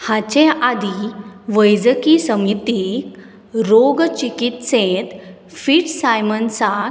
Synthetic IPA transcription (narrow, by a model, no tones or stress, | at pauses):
hat͡ɕead̪iʋəjd͡zəkisəmit̪ik | ɾoɡt͡ɕikit̪sẽt̪ | fiʈsajmənsa